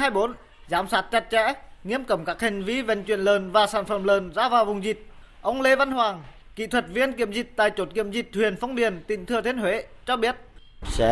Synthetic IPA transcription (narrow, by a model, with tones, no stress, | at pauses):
ɦaː˧jɓo˨˦n | zaː˨˦msaː˦˥t̚t͡ɕa˨˩t̚t͡ɕɛ̰˧˥ŋḭ˧˥əmkə˨˧˩wŋ͡mkaː˦˥k̚hï˨˩ŋ̟vi˧˦vḛ˧˨˩ŋ̟t͡ɕwḭ˧˨ənləː˨˩nvaː˨˩saː˧˩nfə˧˩mləː˨˩nzaː˧˥vaː˨˩wvʊ˨˩ŋ͡mzi˨˩t̚ | ʔə˧wŋ͡mle˧va˧nhwaː˨˩ŋ | kḭ˧˨t̪ʰwə˨˩t̚vi˧ənki˧˨əmzï˨˩k̚t̪a̰ː˧˨jt͡ɕo˨˦˥t̚kḭ˧˨əmzi˨˩k̚t̪ʰwi˨˩ənfɔ˧wŋ͡mɓi˨˩ənt̪ḭ̈˧˥ŋ̟t̪ʰɨ˨˩ət̪ʰi˧˦ənhwḛ˧˥t͡ɕɔ˧ɓi˦˥ət̚ | sɛ̰˧˥